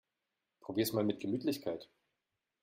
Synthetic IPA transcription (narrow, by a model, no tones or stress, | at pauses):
pʁ̥obiːɐsmaːlmɪt̚ɡ̥əmyːtʰlɪçkʰaɪt